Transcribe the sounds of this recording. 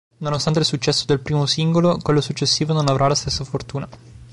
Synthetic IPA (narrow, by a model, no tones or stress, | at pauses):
nonost̪ant̪elsut͡ʃːɛsːod̪elpɾiːmosiŋɡolokwelːosut͡ʃːesːiːvononavɾʔalast̪esːafort̪uːna